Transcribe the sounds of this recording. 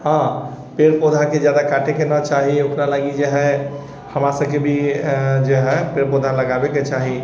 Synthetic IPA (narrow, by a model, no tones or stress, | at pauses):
ɦãpeɾpod̪ʱaked͡ʒjad̪akaʈʰekenət͡ʃaɦiokɾalaɡid͡ʒeɦɛ | həmɾasəbkebʱid͡ʒeɦɛpeɾpod̪ʱaləɡabeket͡ʃaɦi